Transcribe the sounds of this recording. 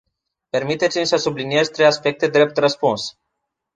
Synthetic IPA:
pe̞rmit̪e̞t̪simʲsəsublinie̞zʲt̪ɾejaspe̞k̚t̪e̞d̪ɾe̞p̚t̪rəspuns

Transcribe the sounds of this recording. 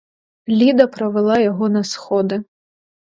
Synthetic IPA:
lʲid̪ɐpɾɐvɨlˠajaɣɔnɐsxɔd̪ɨ

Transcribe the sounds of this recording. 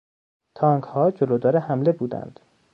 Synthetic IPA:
t̪ʰɒːŋkhɒːd͡ʒolod̪ɒːɾehæmle̞buːd̪æ̰nd̪̥

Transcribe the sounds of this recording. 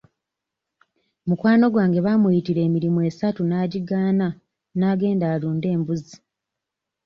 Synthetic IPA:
mukwaːno̞ɡwaːŋɡe̞βamujitiɾe̞ːmiɾimue̞ːsatunaːɟiɡaːna | naːɡe̞ːndaːluːnde̞ːmbuzi

